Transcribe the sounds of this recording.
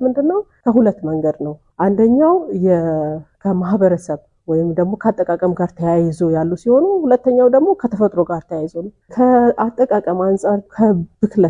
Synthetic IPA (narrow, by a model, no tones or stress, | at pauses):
mɨnd̪ɨnːəw | kʰəɦulət̪ːməŋɡəd̪nəw | ʔand̪əɲːawjɛkʰəmahbəɾəsəβ | wɔjɪmd̪əɡmo̞kʰəat̪ʼːəkʼakʼəmɡaɾt̪ʰəjajɪzojalːusiho̞nuhulət̪ːəɲːawd̪əɡmo̞kʰət̪ʰəfət̪ʼɾo̞ɡaɾt̪ʰəjajzon | kʰəat̪ʼːəkʼakʼəmansʼaɾkʰəbɨklə